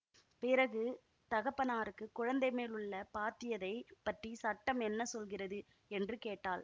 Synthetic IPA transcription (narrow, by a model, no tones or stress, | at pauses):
pɪɾɐɣɯ | t̪ɐɣɐpːɐnaːɾɯkːɯkːʊɻɐnd̪ɐɪmeːlɯɭːɐpaːt̪ɪjɐðɐɪpɐʈrisɐʈːɐmɛnːɐsɔlɣɪrɐðɯ | ɛndrɯkeːʈːaːl